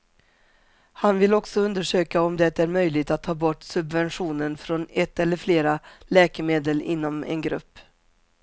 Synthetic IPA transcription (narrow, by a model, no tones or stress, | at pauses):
hanvɪlɔksɔɵnd̪əʂøːkaɔmd̪ɛt̪æɾmœjlɪɡt̪at̪ʰːɑːbɔʈːsɵbvɛnɧuːnənfɾonɛt̪ːɛlːəɾfleːɾalɛːkəmeːd̪əlɪ̰nːɔmɛ̰nɡɾɵ̰pː